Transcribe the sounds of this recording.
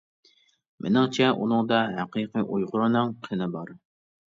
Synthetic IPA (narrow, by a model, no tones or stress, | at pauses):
mʔɪ̰nɪŋt͡ʃʰɛʔunɨŋd̪ɑɦæqʰiqʰiʔujʁʊɾɨnɨŋqʰenɪbɑɾ